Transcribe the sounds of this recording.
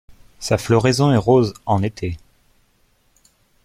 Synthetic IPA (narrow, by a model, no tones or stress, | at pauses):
saflɔʁezɔ̃ɛʁozɑ̃net̪ʰe